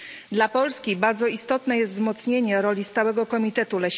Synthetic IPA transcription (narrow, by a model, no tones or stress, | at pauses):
d̪lapɔlskʲibaɾd̪zɔist̪ɔt̪nɛjɛst̪vzmɔt̪sɲeɲɛɾɔlʲist̪awɛɡɔkɔmʲit̪ɛt̪ulɛ